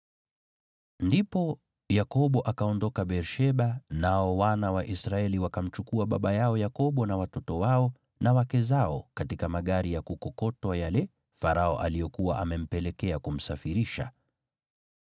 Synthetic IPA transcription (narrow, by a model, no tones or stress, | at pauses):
ndipɔ | jakɔɓɔʔakaɔndɔkaɓɛɾʃɛɓanaɔwanawaʔisɾaɛliwakam̩t͡ʃukuaɓa̰ɓajaɔjakɔɓɔnawatɔtɔwaɔ | nawakɛzaɔkatikamaɠaɾijakukɔkɔtwajalɛ | faɾaɔʔalijɔkuwaʔamɛm̩pɛlɛkɛakum̩safiɾiʃa̰